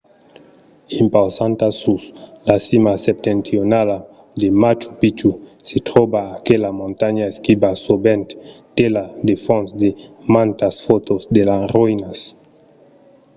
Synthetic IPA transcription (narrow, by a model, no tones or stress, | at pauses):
impawsãnt̪asuslasimasep̚t̪ent̪ɾionala | d̪emat͡ʃu̥pit͡ʃuset̪ɾobaːkelamõnt̪aɲaeskibasobẽnt̪t̪elad̪efõnsd̪emãnt̪asfot̪ozd̪elasrojnas